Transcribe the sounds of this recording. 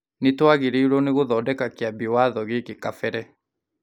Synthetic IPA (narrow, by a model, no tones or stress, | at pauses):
netwaɣeɾeiɾɔneɣoðɔːdɛkakeabiwaðɔɣekekafɛɾɛ